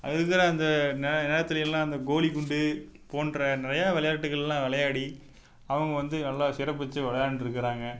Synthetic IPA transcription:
ɪðɯkːaɾaɐnd̪ɐnɛnɛːɽɐt̪ːɪlɪjɪlãːɐnd̪ɐɡoːliɡʊɳɖɯpoːnɾɐnɪɾɐjaːʋɛlɐjaːʈːɯkːɐɭɛlãːʋɪɭɐjaːɽi | ɐʋɐŋɡɐʋɐnd̪ɯnɐlːaːsɪɾɐp̬ːɛt͡ʃːɯʋɛlɐjaːɳɖɪɾɯkːɐɾaːŋɡɐ

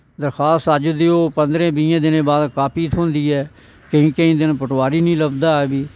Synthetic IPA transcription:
d̪əɾxʰaːst̪əd͡ʒd̪eːoːpənd̪ɾẽːbɪjãːd̪ɪnẽːbaːd̪kaːpiːt̪ʰõːnd̪iːɛː | kəɦĩːkəĩːd̪ɪnpəʈʋaːɾiːnĩːləbd̪aːɛːbiː

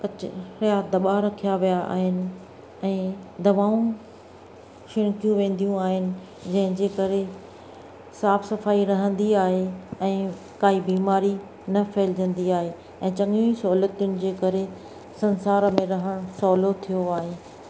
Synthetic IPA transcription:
kɐt͡ɕɪɾjad̪ɐɓaɾɐkʰijaʋijaʔa̰ːɦɪnɪ̆ | ɛ̃ːd̪ɐʋaːũ | ʃɪɽ̃kijũʋẽːn̆d̪ijũaːɦɪnɪ̆ | d͡ʑɐ̃ɦɪ̃d͡ʑeːkɐɾe | saːfsɐfaːiɾɐɦə̃nd̪iaːɦeɛ̃ː | kaːɦibiːmaːɾi | nɐfɛːlɪd͡ʑə̃nd̪iaːɦe | ɛ̃ːt͡ɕɐŋjũisɐɦulət̪ijʊnɪ̆d͡ʑeːkɐɾe | sɐnsaːɾmẽɾɐɦəɽ̃ʊsɔːlot̪ʰijoaːɦeː

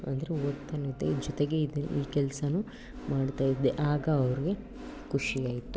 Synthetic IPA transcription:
ɐ̰nd̪ɐɾeot̪ːɐnid̪ed͡ʒɔt̪eɡe̞id̪iːkɛlsɐnu | maːɖt̪aːjid̪ːeʔaːɡɐːʋɐɾiɡe | kuʂijaːjit̪u

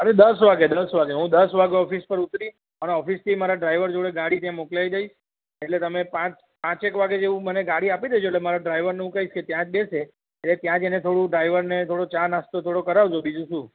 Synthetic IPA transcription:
əɾed̪əsʋaɡed̪əsʋaɡeɦũd̪əsʋaɡeɔfispəɾut̪ɾiʃ | əneɔfist̪ʰimaɾaɖɾajʋəɾd͡ʒoɽeɡaɽit̪jãmoklaid̪aiʃ | eʈlet̪əmepãt͡ʃ | pãt͡ʃekʋaɡed͡ʒeʋũməneɡaɽiapid̪ed͡ʒoeʈlemaɾaɖɾaijʋəɾneũkəisket̪jãd͡ʒbese | elet̪jãd͡ʒenet̪ʰoɽũɖɾaiʋəɾnet̪ʰoɽot͡ʃãnast̪ot̪ʰoɽokəɾaʋd͡ʒobid͡ʒũʃũ

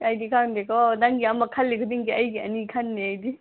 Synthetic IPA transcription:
ɐjd̪ikʰawnd̪ekɔd̪aŋɡiɐmɐkʰalːikʰud̪iŋɡiɐjɡiɐnikʰanːiajd̪i

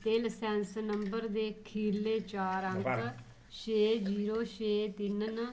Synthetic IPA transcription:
t̪eːlsɛ̃ːnsnəmbəɾd̪eːkʰiːɾleːt͡ʃaːɾəŋk | ʃeːd͡ʒiːɾoːʃeːt̪ɪnn

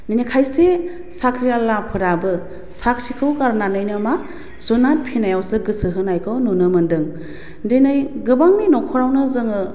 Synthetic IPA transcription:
ninikʰajse | sakʰɾijalːapʰɯɾabɯ | sakʰɾʰikʰɯwkaɾnanɯjnɯma | zunat̚pʰinajawsɯɡɯsɯɦɯnajkʰɯwnonɯmɯndɯŋ | denɯjɡɯbaŋninɔkʰɔɾawnɯzɯŋɯ

